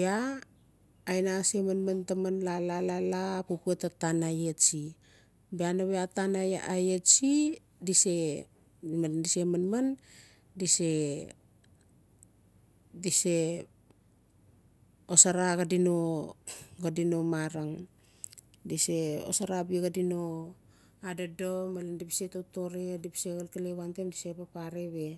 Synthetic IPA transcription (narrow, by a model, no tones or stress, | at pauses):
beaː | jnasemanmantamanlalalalapupuetatanajetsi | beanaβeatanajaʔajetsi | dise̞ | mandisemanman | dise̞ | dise̞ | osaɾaɡadino | ɡadino̞maɾaŋ | dise̞o̰saɾabeɡadino | adadomalandipi̥setoto̞ɾedipi̥seɣalkalewantemdisepapaɾeβe̞